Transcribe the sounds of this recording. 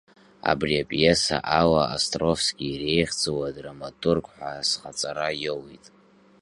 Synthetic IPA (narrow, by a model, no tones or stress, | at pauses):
a̰briapʼjesa̰ʔalaastʼro̞fsɡʲiːre̞jχd͡zowadramatʰʼurɡʼħʷasχat͡sʼaɾajowitʼ